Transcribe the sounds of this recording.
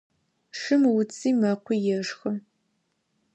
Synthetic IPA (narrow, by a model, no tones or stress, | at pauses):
ʂɨmwʊt͡sʰʼiːmɐqʷʰijɛʂxɐ